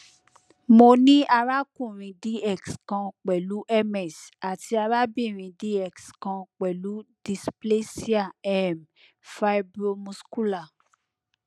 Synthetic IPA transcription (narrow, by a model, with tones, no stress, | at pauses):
mo˧nĩ˦ʔa˧ɾa˦kũ˦˨ɾ̃ĩ˧di˦ɛ˦˨kskã˧k͡pɛ˨lu˨˦ʔɛ˦mɛ˨sa˨ti˧a˧ɾa˦bĩ˦˨ɾ̃ĩ˨˧di˦ɛ˦˨kskã˧k͡pɛ˨lu˨˦d̥i˧sple˦si˦a˦˨ɛ˦˨m | fa˧˦i˦bɾo˧mũ˧sku˦la˦˨